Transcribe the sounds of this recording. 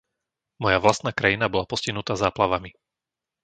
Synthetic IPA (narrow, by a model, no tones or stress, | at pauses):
mɔjaʋlast̪naːkɾajinabɔlapɔsciɦnut̪aːzaːplaʋami